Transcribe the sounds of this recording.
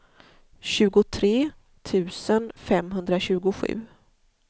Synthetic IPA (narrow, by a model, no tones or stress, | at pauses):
ɕʉ̟ːɡʊt̪ʰɾeː | t̪ʰʉ̟ːsənfɛmɦɵnd̪ɾaɕʉ̟ːɡʊɧʉ̟̰ː